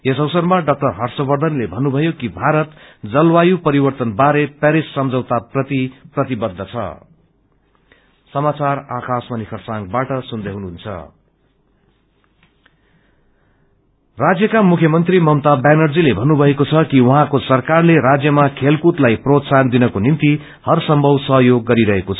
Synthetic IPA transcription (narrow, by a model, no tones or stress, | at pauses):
es̬ʌwsʌrmaɖʌk̚ʈʌrɦʌrsʌbʌrd̪ʱʌnlebʱʌnːubʱʌjokibʱaɾʌt̪d͡zʌlwajupʌɾibʌrt̪ʌnbaɾepaɾisːʌmd͡zʌwt̪aprʌt̪iprʌt̪ibʌd̪ʱːʌt͡sʰʌ̰ | sʌmat͡sarakasmʌnikʰʌrsaŋɡbaʈʌsund̪ʌɦunuɦunt͡sʰʌ̰ | rad͡zjʌkamukʰjʌmʌnt̪rimʌmt̪abanʌrd͡zilebʱʌnːubʱʌɦekot͡sʰʌkiwʌɦãkosʌrkarleɾad͡zjʌmakʰelkut̪lajprot̪sand̪inʌkonint̪i | hʌrsʌmbʱʌwsʌɦʌjoɡːʌɾiɾʌɦekot͡sʰʌ